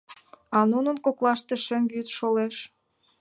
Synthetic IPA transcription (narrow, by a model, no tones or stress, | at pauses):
ɑnunənkoklɑʃt̪eʃə̆mvyt̪ʃoleʃ